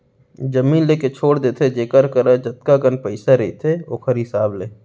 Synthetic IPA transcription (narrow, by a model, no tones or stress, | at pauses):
d͡ʒɐmĩːnleːket͡ʃʰoːɽd̪eːt̪ʰed͡ʒeːkəɾkəɾad͡ʒɐt̪̚kaɡənpəɪsaɾɐit̪ʰeo̰ːkʰəɾɪsaːbleː